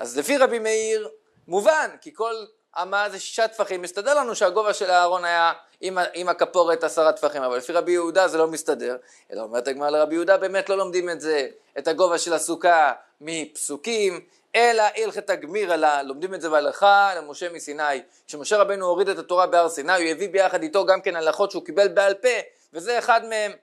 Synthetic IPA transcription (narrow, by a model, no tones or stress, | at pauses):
ʔa̰zlefiʁabimeiʁ | muvankiko̞l | amazeʃi̥ʃat̪faχimːist̪ade̞ʁlanuʃeaɡo̞vaʃe̞laːʁo̞naja | imaimakapo̞ʁet̪asaʁat̪faχimavalːefiʁabijeudaze̞lo̞mistade̞ʁ | e̞̰la̰ome̞ʁt̪aɡmaʁaleʁabijud̪abe̞ːme̞tlo̞lo̞md̪imetze̞ | etaɡo̞vaʃe̞lasuka | mipsukim | e̞laʔilχetaɡmiʁalalo̞md̪ime̞tzebealaχalemo̞ʃe̞misinaj | ʃemo̞ʃe̞ʁabejnuoʁidet̪at̪o̞ʁabeaʁsinajujevibe̞jaχad̪it̪o̞ɡamke̞nalaχo̞tʃeukibe̞lbealpe̞ | veze̞ːχad̪mee̞m